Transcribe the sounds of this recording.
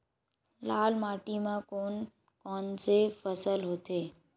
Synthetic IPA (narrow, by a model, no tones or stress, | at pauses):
laːlmaːʈimãkoːn | kɔːnsefəsəlɦoːt̪eː